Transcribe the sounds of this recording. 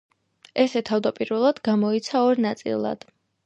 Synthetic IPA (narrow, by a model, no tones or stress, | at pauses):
ɛsɛt̪ʰavd̪apʼiɾvɛlˠad̪ɡamɔit̪sʰaɔɾnat̪sʼḭlˠa̰d̪̥